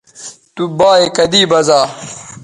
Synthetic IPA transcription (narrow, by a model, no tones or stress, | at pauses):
t̪ubaːekɐd̪iːbɐzaː